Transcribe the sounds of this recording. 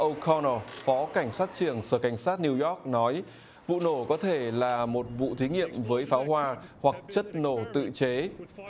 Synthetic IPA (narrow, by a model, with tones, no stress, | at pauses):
ʔə˧wkʰɔ˧no˧˩fɔ˨˦ka˧˩jŋ̟saː˦˥t̚t͡ɕɨ˨˩əŋsəː˧˩ka˧˩jŋ̟saː˦˥t̚ni˧wjɔ˦˥k̚nɔ˨˦j | vṵ˧˨no˧˩kɔ˨˦t̪ʰe˧˩laː˨˩mo˨˩t̚vṵ˧˨t̪ʰi˨˦ŋḭ˧˨əmvəː˨˦jfaː˨˦wɦwaː˧hwa˨˩k̚t͡ɕə˦˥t̚no˧˩t̪ɨ̰˧˨t͡ɕe˨˦